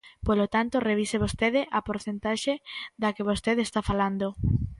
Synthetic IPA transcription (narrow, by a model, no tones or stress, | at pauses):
polot̪ant̪oreβiseβ̞ost̪eðɪʔapoɾθent̪aʃed̪akeβ̞ost̪eðest̪afaland̪o